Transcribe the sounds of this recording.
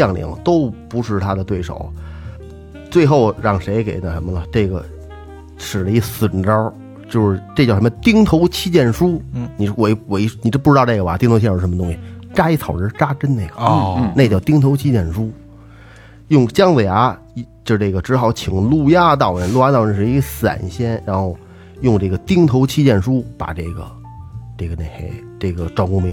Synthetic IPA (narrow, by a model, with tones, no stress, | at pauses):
jɑ˥˩ŋlḭ˧˥˦ŋt̪o˥ʊpu˧˥ʂɻ̩˥˩t̪ʰa˥d̪ə˨t̪we˥˩ɪʂo̰˨˩˦ʊ | t͡swe˥˧ɪxo˥˧ʊɻɑ˥˩ŋʂe˧˥ɪke˨˩ɪt̪ə˥˩ʂə˧˥mə˧ə˩ʈ͡ʂɤ˥˩ɡə̰˩ | ʂɻ̩˨˩lə˦i˥˩sɹ̩˨˩ʈ͡ʂə˥ | t͡ɕjo˥˧ʊʂɻ̩˥˧˩ʈ͡ʂɤ˥˧t͡ɕjʂmə˧t̪i˥ŋt̪ʰo˧˥ʊt͡ɕʰi˥t͡ɕjɛ˥˩nʂu˥ni˨˩ʂwe˧˥ɪwe˧˥ɪni˨˩˥pu˥˩ʈ͡ʂɻ̩˧˥ɑ˧a˥˩ɡə˩ba˨˩t̪i˥ŋt̪ʰt͡ɕ̩ʰː˥˧˥ʂmə˧t̪ʊ˥ŋɕi˨˩ʈ͡ʂa˥i˥˩t͡sʰɑ˨˩ʊɻɻ̩˧˥˧ʈ͡ʂa˥ʈ͡ʂə˥nne˥˩ɪɡə̰˨˩na˥˧˩t͡ɕjɑ˥˩ʊt̪i˥ŋt̪ʰo˧ʊt͡ɕʰi˥t͡ɕjɛ˥˩nʂu˥ | jʊ˥˩ŋt͡ɕjɑ˥ŋwe˨˩ɪa˧˥˧ | ʈ͡ʂɤ˥˧ʈ͡ʂe˥˩ɡə˩ʈ͡ʂɻ̩˧˥xɑ˧˥ʊt͡ɕʰi˨˩ŋlu˥˧ja˥˧t̪̬ɑ˥˩ʊɻə˧˥nlu˥˧ja˥t̪ɑ˨˩ʊɻə˥˩ʂsa̰˨˩nɕjɛ˥nɻa˧˥nxo˥˧ʊ | jʊ˥˧ŋʈ͡ʂɤ˥˩ɡə˩t̪i˥ŋt̪ʰo˧˥ʊt͡ɕʰi˥t͡ɕjɛ˥˩nʂu˥pa̰˨˩ʈ͡ʂe˥˩ɡə̰˩ | ʈ͡ʂe˥˩ɡə˩ne˥˧˩ɪxe˥˩ɪʈ͡ʂe˥˩ɡə˩ʈ͡ʂwɑ˥˩ŋkʊ˥˧ŋmi˧˥˩